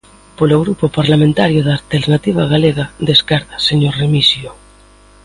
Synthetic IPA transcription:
poloɣɾupopaɾlamẽnt̪aɾjoðaːlt̪eɾnat̪iβ̞aɣaleɣad̪eskaɾtḁseɲoɾremisjo

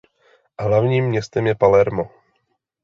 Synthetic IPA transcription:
ɦlavɲiːmːɲɛst̪ɛmjɛpalɛɾmo

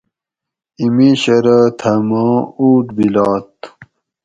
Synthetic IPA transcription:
imiɕɐɾat̪ʰɐmãːuːʈbilaːt̪̚

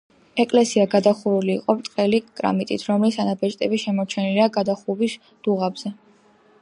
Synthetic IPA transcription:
ɛkʼlɛsiaɡad̪aχuɾuliːqʼɔpt̪ʼqʼɛlikʼɾa̰mit̪ʼḭt̪ʰɾɔmlisanabɛt͡ʃʼt̪ʼɛbiʃɛmɔt͡ʃʰɛniliaɡad̪aχuvis | d̪̥uʁabz̥ɛ

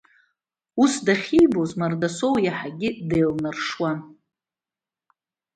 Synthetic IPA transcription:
usdaχʲijbozmardasowjaħaɡʲɪdejlnɨrʂwan

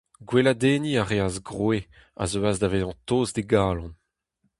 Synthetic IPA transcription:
ɡwelad̪eːniaʁeazɡʁwe | a̰zøazdaveːzɑ̃toːzdeɡaːlɑ̃n

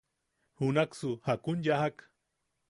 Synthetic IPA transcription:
hunaksuhakunjahak

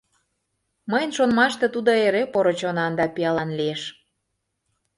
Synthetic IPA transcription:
məjənʃonmɑʃt̪et̪ud̪oeɾepoɾot͡ɕonɑnd̪ɑpiɑlɑnlieʃ

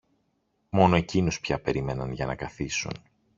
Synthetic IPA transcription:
mo̞no̞e̞cinuspçɐpe̞ɾime̞nɐnʝɐnɐkɐθisṵn

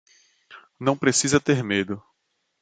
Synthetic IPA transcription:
nɐ̃w̃pɾesizɐt̪eɾmed̪ʊ

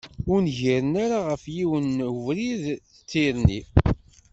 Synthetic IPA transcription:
ʊɾnʝiɾənaɾaʁəfjiwənvɾið | ət͡sːiɾni

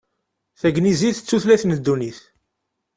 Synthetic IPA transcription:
θæɡniziθət͡sːuθlæθnd̪ːuniθ

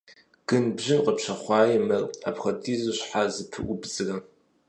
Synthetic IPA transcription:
ɡ̥ɨnbʑɪnqəpɕɐχʷɑːjɪmɐra̰pxɐdʰiːzɨɕħazɨpʰɨ̰ʔʷʊbzɨɣɐm

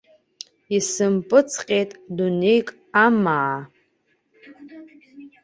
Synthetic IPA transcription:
isɨmpʼɨt͡sʰqʲʼejtʼdunejkʼ | amaː

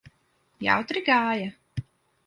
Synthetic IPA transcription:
ja̰wt̪ɾiɡaːja

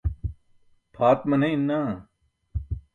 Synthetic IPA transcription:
pʰaːt̪mɐneinːaː

